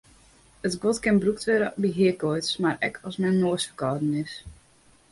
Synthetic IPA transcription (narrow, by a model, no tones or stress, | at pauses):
ətɡotkɪnbruktʋɪɾəbiɦiəkojtsmarɛ̰kʰɔsmɛnːoəsfərkɔːdən̩ɪs